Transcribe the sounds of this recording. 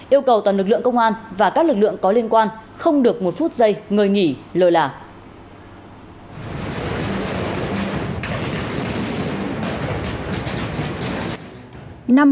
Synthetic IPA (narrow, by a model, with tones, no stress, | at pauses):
ʔi˧əwkə˨˩wt̪waː˨˩nlɨ˨˩k̚ɨ̰˧˨əŋkə˧wŋ͡mʔaː˧nvaː˨˩kaː˦˥k̚lɨ˨˩k̚lɨ̰˧˨əŋkɔ˨˦li˧ənkwaː˧nxə˧wŋ͡mɗɨ˨˩ək̚mo˨˩t̚fu˦˥t̚zə˧jŋəː˨˩jŋi˧˩ləː˨˩jlaː˨˩ | na˧m